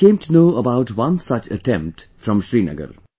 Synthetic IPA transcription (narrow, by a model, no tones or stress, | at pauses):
kẽːmʈunoːəbaʊʈʋʌ̃nsʌt͡ʃə̰ʈɛ̃mp̚ʈ | fɾɔ̃mʃɾiːnə̰ɡə̰ɾ